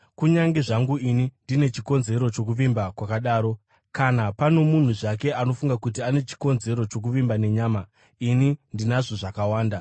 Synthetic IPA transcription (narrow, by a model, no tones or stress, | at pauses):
kuɲaŋɡe̞ʐaŋɡuinindine̞t͡ʃiko̞nze̞ɾo̞t͡ʃo̞kuʋimbakwakaɗaːɾo̞ | kanapano̞mun̤uʐak̬e̞ʔano̞fuŋɡakut̬iane̞t͡ʃi̥ko̞nze̞ɾo̞t͡ʃo̞k̬uʋimbane̞ɲaːma | inindinaʐoʐakawaːnda